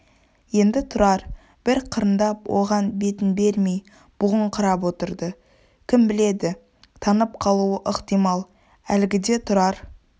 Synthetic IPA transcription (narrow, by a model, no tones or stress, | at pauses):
je̞nd̪ɪt̪ʰʊɾɑɾ | b̥ɪɾqʰəɾənd̪ɑpwʔo̞̰ʁɑnbe̞t̪ɪnbe̞ɾme̞j | b̥ʊʁəɴqʰəɾɑpwo̞t̪əɾd̪ə | kʲʰɪmbɪle̞d̪ɪ | t̪ʰɑnəp̚qʰɑlˠuəʔəqt̪ijmɑlˠ | ælɡʲɪd̪e̞t̪ʰʊɾɑɾ